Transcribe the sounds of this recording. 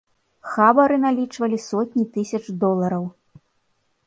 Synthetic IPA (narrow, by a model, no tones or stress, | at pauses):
xabɐɾɨnalʲit͡ʂvɐlʲisɔt̪ʲnʲit̪ɨsʲɐt͡ʂd̪ɔlˠɐɾɐw